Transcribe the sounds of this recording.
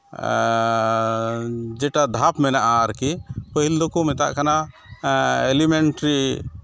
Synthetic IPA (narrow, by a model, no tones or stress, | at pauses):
d͡ʒɛʈad̪ʱapmɛnaʔaɾkipəɦild̪ɔkɔmɛt̪a̰ʔkana | ɛlimɛnʈɾi